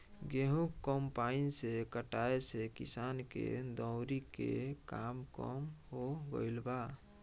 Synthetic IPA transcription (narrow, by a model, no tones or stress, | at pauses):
ɡeɦũkːɔmpainsekəʈaesekisankḛd̪ɔ̃wɾikḛkamkɔ̰mɦoɡə̰jlba